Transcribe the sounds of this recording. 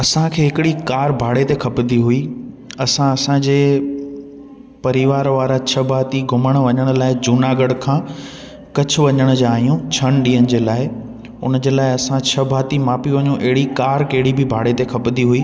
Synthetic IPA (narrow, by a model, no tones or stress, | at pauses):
ɐsãkʰeːɦɪkɪɽikaːɾbʱaːɽet̪ekʰɐpd̪ʱiɦui | ɐsãɐsãd͡ʑeː | pɐɾiʋaːɾʋaːɾat͡ɕʰɐbʱaːt̪iɡʱʊməɽ̃ʋɐɲəɽ̃ʊ̆laːɪd͡ʑuːnaːɡəɽkʰãː | kɐt͡ɕʰʊ̆ʋɐɲəɽ̃d͡ʑaːijũt͡ɕʰɐnɗiːənɪ̆d͡ʑeːlaːɪ | ʊ̰nd͡ʑeːlaːɪɐsãt͡ɕʰɐbʱaːt̪imaːpiʋɐɲũʔɐɦɪɽikaːɾkɐɦɪɽibʱɪbʱaːɽet̪ekʰɐpd̪ʱiɦuiː